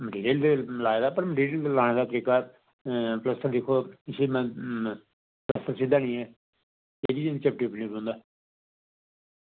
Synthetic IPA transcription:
məʈiːɾeld̪elaːeːd̪aːpəɾməʈiːɾellaːñẽːd̪aːt̪əɾiːkaː | pləst̪əld̪ɪkʰoːɪseːmɛ̃ | pləst̪əɾsɪd̪aːnĩːɛː | eːd̪ient͡ʃəp̚ʈiːpnĩːbõʊ̃nd̪aː

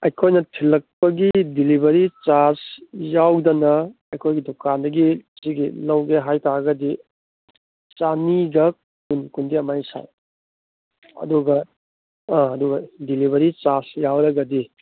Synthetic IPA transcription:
ɐjkʰojnɐtʰilːɐk̚pɐɡidilibɐɾit͡ʃasjawdɐnɐɐjkʰojɡidokandɐɡisiɡilɐwɡeɦajtaɡɐdi | t͡ʃaniɡɐ | kunkundiɐmajsa̰j | ɐ̰duɡɐ̃ | ɐduɡɐdiliβɐɾit͡ʃasjawɾɐɡɐdi

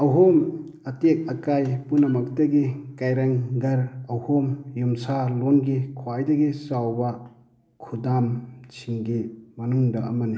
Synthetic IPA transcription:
awɦom | ɐtek̚ɐkajpunɐmɐktaɡikajɾaŋɡɐɾawhomjumsalonɡikʰwajdɐɡisawba | kʰudamt͡ʃʰiŋɡimɐnuŋdɐɐmɐni

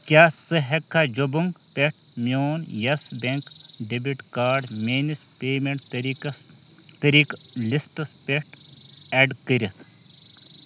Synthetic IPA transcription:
kʲjaːsɨɦɐkʰːaːd͡ʒobuŋɡ | peʈ̚ʰ | mjoːnjɐsbʲeŋk | ɖibiʈkaːɾɖmeːnispeːmeɳʈ̪ɾi | t̪ɐɾik | lisʈɐspeʈ | eɖkəɾʲɐt̪ʰ

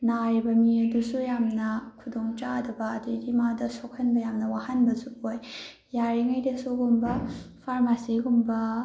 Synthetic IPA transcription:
naɾibɐmiɐdusujamnɐkʰudoŋt͡ʃadɐbɐːdidimadɐsokhɐnbɐjamnɐwahɐnbɐsuojː | aɾiŋɐjdɐsuɡumbɐpʰaɾmasiɡumbɐ

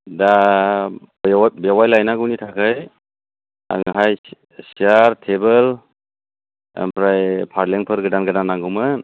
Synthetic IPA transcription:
da | bbewajlajnaɡɯwnitʰakʰaj | a̰ŋɦaj | siaɾtʰebəl | mpɾajpʰaɾleŋpʰɯɾɡɯdanɡɯdanːaŋɡɯmɯ

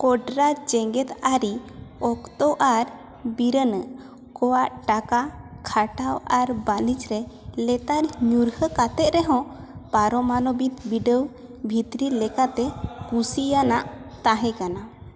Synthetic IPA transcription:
kɔɖɾad͡ʒɛŋɡɛt̪aɾiɔkt̪ɔʔaɾ | biɾənəʔ | kɔwaʔʈakakʰaʈawaɾbalit͡ʃɾɛ | lɛt̪aɾɲuɾhəkat̪ɛt̪̚ɾɛɦɔ̃ | paɾɔmanɔbit̪biɖəw | bʱit̪ɾilɛkat̪ɛkusijanaʔt̪aɦɛ̃kana

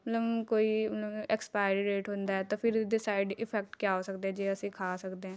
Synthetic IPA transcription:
mɛt̪ləbkoːimɛt̪ləbɛkspaːɪɾiɾeːʈɦõːnd̪aːɛːt̪oːpʰɪɾɖɪsaːɪɖɪpʰɛːk̚ʈkjaːɦoːsəkd̪eɛ̃d͡ʒeːəsĩːkʰaːsəkd̪eɦɛ̃ː

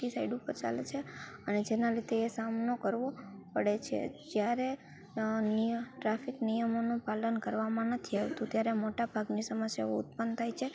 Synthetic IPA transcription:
isaiɖupəɾt͡ʃa̰lḛt͡ʃʰeəned͡ʒenaɾit̪eːsamnokəɾʋopəɽet͡ʃʰḛd͡ʒjaɾe | niʈɾafiknijəmonũpalənkəɾʋamãnət̪ʰiaʋt̪ũt̪jaɾemoʈabʱaɡnisəməsja̰o̰ʊ̰t̪̚pənt̪ʰajt͡ʃʰe

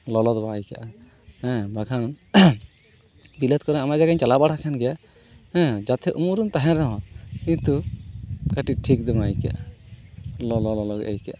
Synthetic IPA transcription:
lɔlɔd̪bajka̰ʔa | hɛ̃baɡʱanɔn | bilət̪̚kɔɾɛamad͡ʒaɡaɲt͡ʃalabaɽʰakʰanɡɛja | hɛ̃d͡ʒat̪ʰɛʔumuɾunt̪aɦɛ̃ɾɔɦɔ̃kĩnt̪u | kaʈiʈʰik̚d̪ɔmajkɛaʔa | lɔlɔlɔlɔɡḛjkɛ̰ʔa

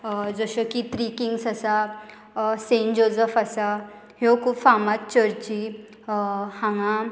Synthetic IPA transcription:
d͡zəɕokit̪ɾikiŋɡsasa | send͡ʑod͡zəfasa | ɦjokʰufamat̪̚t͡ɕəɾt͡ɕi | hãŋã

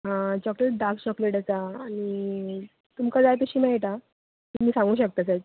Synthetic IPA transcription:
ɦãt͡ɕɔkleʈ̚ɖaɾkt͡ɕɔkleʈat͡saːɽ̃i | t̪umkad͡zajpəɕiːmɛɭʈ̪a | t̪um̤iːsãŋɡuːɕək̚t̪at͡sajʈ̚

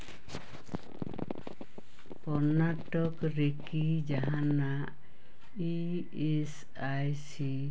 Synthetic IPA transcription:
pɔɾnaʈɔkɾekid͡ʒaɦana | i | es | ajsi

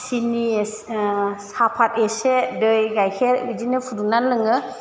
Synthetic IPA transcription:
sinissapʰat̚esedəjɡajkʰɛɾbid͡ʒinəpʰudunanləŋɯ

